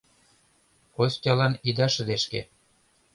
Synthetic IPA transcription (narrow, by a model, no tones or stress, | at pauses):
kosʲtʲɑlɑnid̪ɑʃə̆d̪eʃkḛ